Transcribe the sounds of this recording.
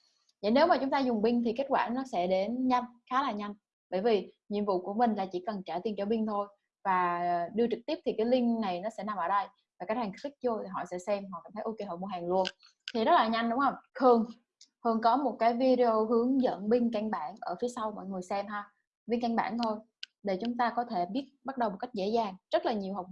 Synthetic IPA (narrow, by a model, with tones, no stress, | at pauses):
və̰˧˨jne˨˦wmaː˨˩t͡ɕʊ˨˦ŋ͡mt̪aː˧zʊ˨˩ŋ͡mɓï˧ŋt̪ʰi˨˩ke˦˥t̚kwaː˧˩nɔ˨˦sɛ̰˧˥ɗe˨˦nɲa˧nxaː˨˦laː˨˩ɲa˧jŋ̟ | ɓəː˧˩jvi˨˩ɲḭ˧˨nvṵ˧˨ku˧˩əmï˨˩ŋ̟laː˨˩t͡ɕḭ˧˩kə˨˩nt͡ɕaː˧˩t̪i˧ənt͡ɕɔ˧˩ɓï˧ŋt̪ʰo˧j | vaː˨˩˨ɗɨ˧ət͡ɕɨ˨˩k̚t̪i˦˥əp̚t̪ʰi˨˩kaː˨˦jli˧ŋna˨˩jnɔ˨˦sɛ̰˧˥na˨˩mʔəː˧˩ɗə˧j | vaː˨˩kaː˨˦˥k̚haː˨˩ŋtɾi˦˥t̚t͡ɕo˧t̪ʰi˨˩ɦɔ̰˧˨sɛ̰˧˥sɛ˧mɦɔ̰˧˨kaː˧˩mt̪ʰə˨˦jʔo˧ke˧hɦɔː˧˩m˧˩ɦaː˨˩ŋlu˧ən | t̪ʰi˨˩zə˦˥t̚laː˨˩ɲa˧jŋ̟ɗʊ˨˦ŋ͡mʔə˧wŋ͡mxʰɨ˨˩əŋ | hɨ˨˩əŋkɔ˨˦mo˨˩t̚kaː˨˦jvi˧ɗe˧o˧ɦɨ˨˦əŋzə̰˧˨nɓï˧ŋ̟ka˧ŋɓaː˧˩nʔəː˧˩fi˨˦əsa˧wmɔ̰˧˨jŋɨ˨˩əjsɛ˧mhaː˧ | ɓï˧ŋ̟ka˧ŋɓa̰ː˧˩nt̪ʰo˧j | ɗe˧˩t͡ɕʊ˨˦ŋ͡mt̪aː˧kɔ˨˦t̪ʰe˧˩ɓi˦˥ət̚ɓa˦˥t̚ɗə˨˩wmo˨˩t̚ka˦˥k̟̚zḛ˧˥zaː˨˩ŋz̥ə˦˥t̚laː˨˩ɲi˨˩əwɦa˨˩wk͡p̚